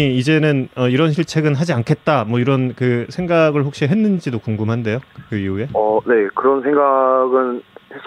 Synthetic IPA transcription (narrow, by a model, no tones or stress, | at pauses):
iid͡ʑe̞nɯnʌiɾʌnɕʰiɭt͡ɕʰe̞ɡɯnɦad͡ʑiankʰe̞t̚t͈amwʌiɾʌnkɯsʰe̞ŋɡaɡɯɭɸok̚ɕ͈iɦe̞nːɯnd͡ʑidokuŋɡumɦande̞jokɯiue̞ʌne̞kɯɾʌnsʰeŋɡaɡɯnhes͈